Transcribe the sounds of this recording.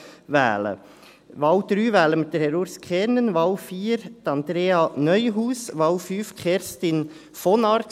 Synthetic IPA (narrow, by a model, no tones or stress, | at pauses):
ʋæ̰ːlə̰ | ʋɑwd̪̥ɾyːʋæːləmɪt̪̚d̥ɛɾhɛɾoːɾskʰɛɾnənʋɑwfiːɾd̥̪ɑnd̪ɾeːɑnœʏɦuːsʋɑwfyːfkʰɛɾst̪ɪn | fɔnɑɾt